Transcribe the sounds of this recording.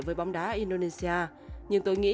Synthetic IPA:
jvəː˨˦jɓa˨˦wŋ͡mɗaː˨˦ʔi˧nɗo˧ne˧si˧ʔaː˧˩ | ɲɨ˧ŋt̪o˧jŋḭ˧˥

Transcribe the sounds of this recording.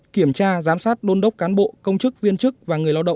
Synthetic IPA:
ki˧˩əmt͡ɕaː˧zaː˨˦msaː˦˥t̚ɗo˧nɗə˦˥wk͡p̚kaː˨˦nɓo̰˧˨kə˧wŋ͡mt͡ɕɨ˦˥k̚vi˧ənt͡ɕɨ˦˥k̚vaː˨˩ŋɨ˨˩əjla˧wɗə̰˧˨

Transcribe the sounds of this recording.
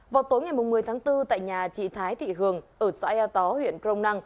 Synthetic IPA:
vaː˨˩wt̪o˨˦jŋa˨˩jmʊ˨˩ŋ͡mmɨ˨˩əjt̪ʰaː˨˦ŋt̪ɨ˧t̪a̰ː˧˨jɲaː˨˩t͡ɕḭ˧˨t̪ʰaː˨˦jt̪ʰḭ˧˨ɦɨ˨˩əŋʔəː˧˩sa̰ː˧˥jʔaː˧t̪ɔ˨˦hwḭ˧˨ənkɾə˧wŋ͡mna˧ŋ

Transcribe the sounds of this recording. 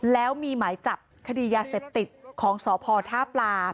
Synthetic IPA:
lɛː˦˥wmiː˧maː˩˦jt͡ɕa˨˩p̚kʰa˧diː˧jaː˧seː˨˩p̚t̪i˨˩t̪̚kʰɔː˩˦ŋsɔː˩˦pʰɔː˧t̪ʰaː˥˩plaː˧

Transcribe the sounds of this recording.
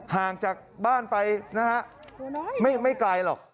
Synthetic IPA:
haː˨˩ŋt͡ɕaː˨˩k̚baː˥˩npa˧jna˦˥ha˦˥ʔ | ma˥˩jma˥˩jklaː˧jlɔː˨˩k̚

